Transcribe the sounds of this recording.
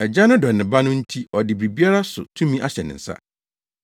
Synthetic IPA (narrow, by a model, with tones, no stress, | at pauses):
ɛ˨d͡ʑa˦nʊ̃˦dɔ˨nɪ̃˨ba˦nʊ̃˦n̩˦tʰi˦ɔ˨dɪ˨bɾi˨bi˦a˦ɾa˦sʊ̰˨tʰũ˦mĩ˦ʔa˦ɕɛ˨nɪ̰̃˨n̩˨sa̰˦